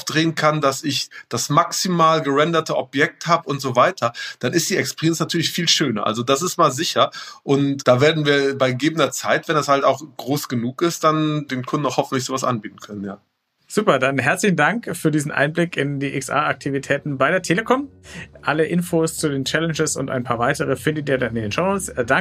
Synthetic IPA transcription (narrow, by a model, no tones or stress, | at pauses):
aʊfd̥ʁeːənkʰandasɪçd̥asmaksimaːlɡəʁɛndɐtʰəʔɔbjɛk̚thaːbəʊntz̥oːvaɪtʰɐd̥anɪst̚d̥iːɛkspɛʁijɛnsnatʰyːɐlɪçfiːlʃøːnɐ̰ʔa̰lzodas̬ɪstmaːlzɪçɐʔʊntd̥aːveːɐdn̩viːɐbaɪɡəɡeːbən̩dɐt͡saɪtv̥ɛndashaltaʊxɡ̥ʁoːsɡ̥ənuːkɪstd̥andeːnkʰʊndn̩aʊxhɔfn̩tlɪçz̥oːvasʔa̰nbiːtn̩kʰœnənjaː | z̥uːpɐdanɦɛɐt͡slɪçn̩daŋkfyːɐdiːzn̩ʔa̰ɪnblɪkɪndiːʔɪksʔa̰ːak̚tʰivitʰɛːtn̩baɪɾeːɐtʰeːləkʰɔmʔaləʔɪnfoːst͡sudeːnt͡ʃɛlɛnd͡ʒəsʊ̰ntʔa̰ɪnpʰaːɐvaɪtəʁ̞əfɪndətʔiːɐdanɪndeːnʃoʊnoːt͡sda